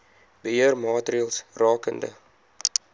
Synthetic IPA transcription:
b̥əɦiərmɑːtriəlˠsrɑːkə̰ndə̰

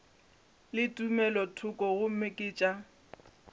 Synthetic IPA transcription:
lɪtʼumɛlɔtʰʊkʼɔɣʊm̩mɪkʼɪːt͡ʃʼa

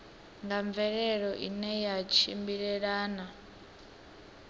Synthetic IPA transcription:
ŋɡaɱb̪vɛɺɛɺɔʔḭnɛjat͡ʃʰḭmbiɺɛɺaːna

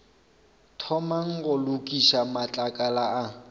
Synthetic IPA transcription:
tʰɔmaŋ̩ɣʊlʊkʼiʃamat͡ɬʼakʼalaa

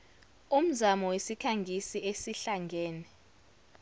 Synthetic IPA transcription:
um̩zamɔwesikʰaŋɡʱisiesiɬaŋɡʱɛːnɛ

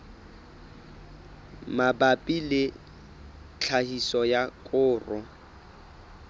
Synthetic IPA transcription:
mabapʼilɪ | t͡ɬʰahisɔjakʼʊːrɔ

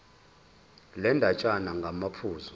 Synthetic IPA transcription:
lɛndʱat͡ʃʼanaŋɡʱamapʰuːzɔ

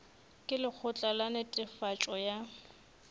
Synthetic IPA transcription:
kʼɪlɪk͡xʰʊt͡ɬʼalanɪtʼɪfat͡ʃʼɔja

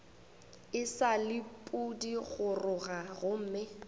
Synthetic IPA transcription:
ɪsalɪpʼudiɣʊrʊɣaɣʊm̩ːmɪ

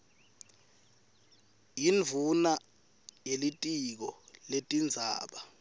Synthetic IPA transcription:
jiɱvʱuna | jelitʼik̬ɔletʼind͡zʱa̰ːɓa

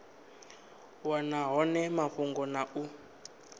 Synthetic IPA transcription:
wanaɦɔnɛmaɸuŋɡɔnaʔu

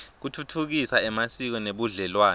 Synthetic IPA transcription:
k̬utʰutʰuk̬isaɛmasik̬ɔneɓuɮɛlwaːnɛ

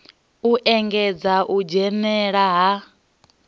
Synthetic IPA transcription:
uʔɛŋɡɛd͡zaʔud͡ʒɛmɛɺaɦa

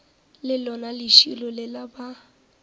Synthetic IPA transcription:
lɪlɔnalɪʃilɔlɪlaba

